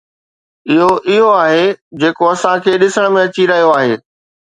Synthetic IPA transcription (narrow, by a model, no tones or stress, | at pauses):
ɪɦoʔɪɦoaːɦed͡ʑeːkoɐsãkʰeːɗɪsəɽ̃mẽɐt͡ɕiɾɐɦijoaːɦeː